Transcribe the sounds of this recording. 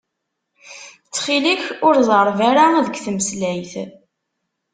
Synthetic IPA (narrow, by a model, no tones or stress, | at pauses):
t͡sːχiliçʊɾðˤəɾˤvaɾaæðəkʷθəməslæjθ